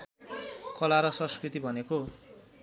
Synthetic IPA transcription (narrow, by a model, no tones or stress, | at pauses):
kʌlaɾʌsʌ̃skrit̪ibʱʌneko